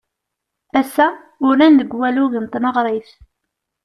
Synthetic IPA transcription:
æsːæ | ʊɾænðəɡwæluðənt̪ˤnəʁɾˤiθ

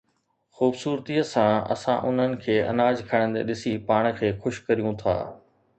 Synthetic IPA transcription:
xuːbsuːɾt̪iəsãɐ̰sã̰ʔʊn̤ənɪ̆kʰeːʔɐ̰naːd͡ʑkʰəɽ̃nd̪ḛɗɪsipaːɽ̃̆kʰeːxʊʃkɐɾijũt̪ʰa̰ː

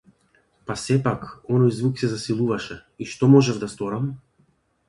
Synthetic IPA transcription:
pasɛpakɔnɔjzvuksɛzasilˠuvaʃɛiʃt̪ɔmɔʒɛvd̪ast̪ɔɾam

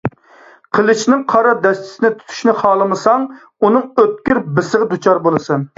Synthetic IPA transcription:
qʰəlˠɨt͡ʃnɪŋqʰɑɾɑd̪ɛst̪ʰɪ̥sɪnɪt̪ʰy̥t̪ʰy̥ʃnɪχɑːlˠɨmɨsɑŋ | unɨŋøt̪̚kʲyɾbɪsəʁɨd̪ut͡ʃʰɑɾbolˠɨsɨn

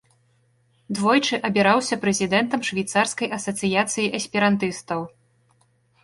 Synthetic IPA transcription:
d̪vɔjt͡ʂɨʔɐbʲiɾawsʲɐpɾɛzʲid̪ɛnt̪ɐmʂvʲɛjt̪sarskɐjʔɐsɐt̪sɨjat̪sɨjiʔɐsʲpʲɛɾant̪ɨst̪ɐw

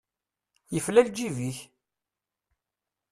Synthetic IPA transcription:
jəflæld͡ʒiviç

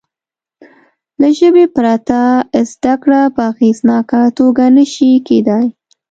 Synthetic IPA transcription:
laʒəbepɾat̪azd̪akɽapəaɣeznɑkat̪oɡanəʃiked̪ɑj

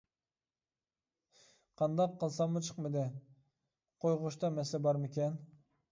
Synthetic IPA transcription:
qʰɑnd̪ɑqʰːəlˠsɑmːət͡ʃʰə̥qmɨd̪ɪ | qʰojʁʊʃt̪ɑmɛsɛbɑɾmekʲen

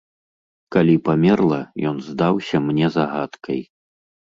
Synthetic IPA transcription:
kalʲipamʲɛrlˠɐjɔnzd̪awsʲɐmnʲɛzaɣat̪kʰɐj

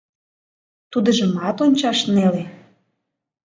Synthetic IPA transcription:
t̪ud̪əʒəmɑt̪onʲt͡ɕɑʃnele

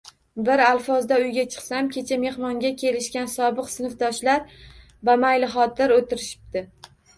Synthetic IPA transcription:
bɪɾalfɒzd̪aʊjɡʲat͡ʃʰɨ̥qsamkʲʰe̞t͡ʃʰame̞hmɒŋɡʲakʲʰe̞lɪʃkʲansɒbɨqsɪnɨfd̪ɒʃlaɾ | vamajlɪχɒt̪ʰɪɾot̪ɪɾɪʃɪ̥p̚t̪ɪ

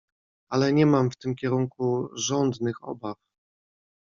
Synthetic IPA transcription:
alɛɲɛmamft̪ɘmkʲɛɾuŋkuʐɔnd̪nɘxɔ̰baf

